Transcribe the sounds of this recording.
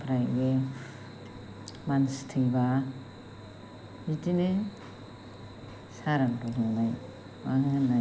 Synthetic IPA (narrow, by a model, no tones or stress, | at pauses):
pʰɾajɡe | manstʰɯjba | itine | saɾaŋdɔnɔnaj | waŋɯnːa